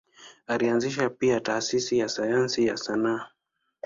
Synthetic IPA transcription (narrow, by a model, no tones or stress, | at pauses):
alianziʃapiataːsisijasajansijasana